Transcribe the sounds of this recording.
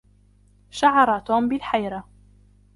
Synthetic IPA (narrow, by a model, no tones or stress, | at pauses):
ʃaʕɑɾˤɑt̪uːmbɪlħajɾa